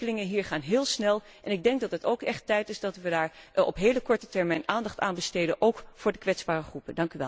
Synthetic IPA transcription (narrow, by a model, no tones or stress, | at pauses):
əlɪŋənɦiːɹχaːnɦɪːlˠsnɛlˠ | ʔɛnɪɡ̚dɛŋk̚dɑtətowkɛχtɛjtɪsdɑtʋədaːɹɔ̰pɦejləkɔɹtətɛɹmɛjnʔaːndɑχtaːnbəstejdənʔowkfʊːɹdəkʋɛtzbaːrəχrupəndɑŋkyʋɛ̰l